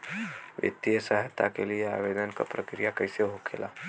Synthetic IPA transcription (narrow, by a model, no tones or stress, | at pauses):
ʋjə̰t̪ːijəsaɦət̪akelijea̰ʋed̪ənka̰pɾəkɾijakəjseɦokʰḛla̰